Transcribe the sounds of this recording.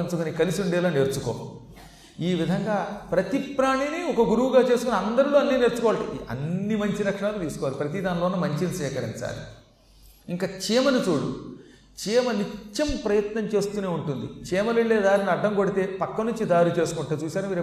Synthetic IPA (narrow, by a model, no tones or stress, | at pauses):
int͡ʃukonikɐlisiuɳɖɛːloːne̞ːɾt͡ʃuko̰ː | iːʋid̪ʱɐŋɡaːpɾɐt̪ipɾaːɳiniɔkɐɡuɾuwuɡaːt͡ʃe̞ːsukoniɐnd̪ɐɾiloːɐnːineɾt͡ʃukɔːʋaʈɐ̰ɐ̰nːimɐɲt͡ʃiɾɐkʂɐɳaːlut̪iːsu̥kɔʋaːlipɾɐt̪̬id̪aːnloːnːɐmɐɲt͡ʃinisɛːkɐɾḭɲt͡ʃa̰ːlḭ | iŋkaːt͡ʃeːmɐnit͡ʃoːɽṵ | t͡ʃiːmɐnit͡ʃːɐmpɾɐjɐt̪nɐɲt͡ʃe̞ːst̪uːneːuɳʈund̪it͡ʃɛːmɐliɭːeːd̪aːɾiniɐɖːɐŋkoɽit̪e̞ːpɐkːɐnuɲt͡ʃid̪aːɾit͡ʃe̞ːsukuɳʈeːt͡ʃuːsaːɾumiːɾu